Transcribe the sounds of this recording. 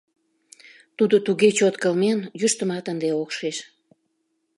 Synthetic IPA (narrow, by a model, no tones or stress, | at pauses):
t̪ud̪ot̪uɣet͡ɕot̪kəlmenjyʃt̪əmɑt̪ənd̪eokʃeʃ